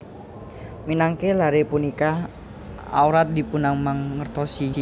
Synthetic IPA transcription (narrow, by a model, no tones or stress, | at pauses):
minaŋkelaɾepunika | a̰wɾat̪̚dipunaŋmaŋːərt̪ɔsi